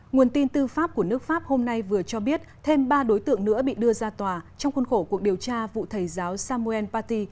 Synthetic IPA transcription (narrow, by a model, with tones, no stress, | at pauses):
ŋu˨˩ənt̪i˧nt̪ɨ˧faː˦˥p̚ku˧˩ənɨ˦˥ək̚faː˦˥p̚ho˧mna˧jvɨ˨˩ət͡ɕɔ˧ɓi˦˥ət̚t̪ʰe˧mɓaː˧ɗo˨˦jt̪ɨ̰˧˨əŋnɨ̰˧˥əɓḭ˧˨ɗɨ˧əzaː˧t̪waː˨˩t͡ɕɔ˧wŋ͡mxu˧nxo˧˩ku˨˩ək̚ɗi˨˩əwt͡ɕaː˧vṵ˧˨t̪ʰə˨˩jzaː˨˦wsaː˧mu˧ɛ˧npaː˧t̪i˧